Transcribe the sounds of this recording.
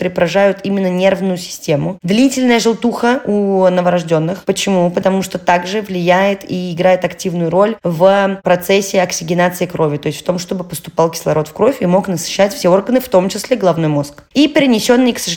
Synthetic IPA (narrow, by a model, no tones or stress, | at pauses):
ɾʲɪpɾɐʐajʊt̪ʰimʲɪnːənʲe̞rvnʊjʊsʲɪ̥sʲtʲe̞mʊd̪lʲitʲɪlʲnəjəʐɨlˠt̪uxəunəvəɾɐʐdʲo̞nːɨxpət͡ɕɪmupət̪ɐmuʂt̪o̞t̪aɡʐɨvlʲɪjæjɪt̪iɪɡɾajɪt̪ɐktʲivnʊjʊɾo̞lʲvpɾɐt̪sɛsʲːɪɐksʲɪɡʲɪnat̪sɨɪkɾo̞vʲɪt̪o̞ɪsʲtʲft̪o̞mʂt̪o̞bɨpəst̪ʊ̥palˠkʲɪ̥slˠɐɾo̞t̪fkɾo̞fʲimo̞knəsɨ̥ɕːætʲfsʲeo̞rɡənɨft̪o̞mt͡ɕɪsʲlʲeɡlˠɐvno̞jmo̞skipʲɪɾʲɪnʲɪsʲo̞nːɨjksə